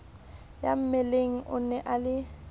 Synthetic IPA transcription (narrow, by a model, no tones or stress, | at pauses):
ja̰m̩mɛleŋ̩ʔʊnɛʔalɪ